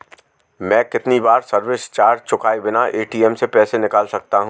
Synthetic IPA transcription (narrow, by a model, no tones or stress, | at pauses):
mɛ̃ːkɪt̪nibaːɾsɐɾʋɪst͡ʃaːɾt͡ʃʊkaːibɪnaʔeːʈiːɛmsepɛːsenɪkaːlsɐk̚t̪aɦũ